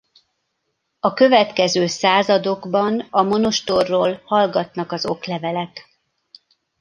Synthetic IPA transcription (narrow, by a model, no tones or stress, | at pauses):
ɒkø̞vɛt̪kɛzøːsaːzɒd̪o̞ɡbɒnɒmo̞noʃt̪orːoːlhɒlɡɒt̪nɒkɒzo̞klɛvɛlɛk̪